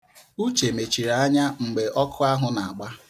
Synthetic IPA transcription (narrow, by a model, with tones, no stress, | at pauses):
u˦t͡ʃe˨me˨t͡ʃi˨ɾa˨a˦ɲa˦ŋ͡m̩˨ɡ͡be˨ʔɔ˦kʰʊ˦a˦ɦʊ˦na˨a˨ɡ͡ba˦